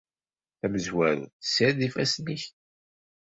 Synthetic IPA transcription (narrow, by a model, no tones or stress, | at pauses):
θæməzwæɾθə̥səɾðifæsniç